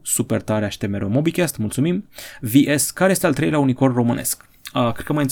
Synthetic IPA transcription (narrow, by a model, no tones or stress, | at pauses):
supert̪aɾeaʃi̥t̪e̞meɾo̞mobikʲest̪mult̪sumimviʔeskaɾejest̪ealt̪ɾejleauniko̞rro̞mɨnʔe̞̰sk | əkɾet̪̚kəməjɨn